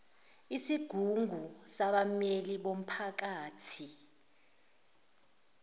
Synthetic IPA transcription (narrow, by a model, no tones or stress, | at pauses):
isiɡ̥ʱuŋʱusaɓameliɓom̩pʰak̬aːtʰi